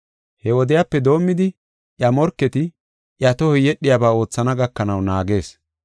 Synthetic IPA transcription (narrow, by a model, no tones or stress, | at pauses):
hɛwɔd̪ɪjapːɛd̪o̞ːmːɪd̪ɪ | ʔjɐmɔɾkːɛt̪ɪ | ʔjɐt̪ɔhɔjɛɗːɪjabaːo̞ːt͡sːɐnɐɡɐkːɐnɐwnaːɡe̞ːs